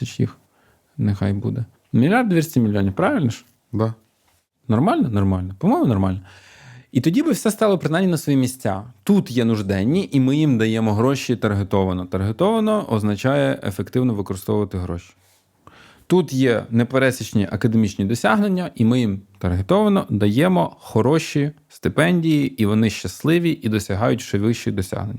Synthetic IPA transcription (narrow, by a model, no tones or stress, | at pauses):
ɐt͡ʃjḭx | nexa̰jbṵd̪ɛ | mʲilʲard̪d̪ʋʲirʲsʲtʲimʲilʲjɔnʲiwpɾɑʋɪlʲnɐʃ | d̪a | nɔrmɑlʲnɐnɔrmɑlʲnɐpɔmɔjmʊnɔrmɑlʲnɔ | it̪ɔdʲibɪwsʲɛst̪ɑlˠɔpɾɪnɑjmʲnʲinɐsʋɔjimʲisʲt͡sʲa̰t̪ut̪jɛnʊʒd̪ɛnʲːiʔimɪjimd̪ɐjɛmɔɦɾɔʃit̪ɐrɦet̪ɔʋɐnɔt̪ɐɾɦet̪ɔʋɐnɔʔɔznɐt͡ʃɑjɛʔḛfekt̪ɪwnɔʋɪkɔɾɪst̪ɔʋʊʋɐt̪ɪɦɾɔ̰ʃʲi̥ | t̪ut̪jɛnepeɾɛsʲɐt͡ʃnʲiʔɐkɐd̪emʲit͡ʃnʲid̪ɔsʲaɦnenʲːɐʔimɪjimt̪ɐrɦet̪ɔʋɐnɔd̪ɐjɛmɔxɔɾɔʃʲist̪ɪpɛnʲdʲijiiʋɔnɪʃt͡ʃɐslˠɪʋʲiʔid̪ɔsʲɐɦɑjʊtʲʃɛʋɪʃt͡ʃid̪ɔsʲa̰ɦnenʲːɐ